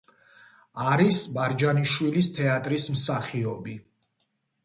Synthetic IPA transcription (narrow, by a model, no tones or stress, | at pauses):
aɾisbaɾd͡ʒaniʃwilist̪ʰɛat̪ʼɾismsaχiɔbi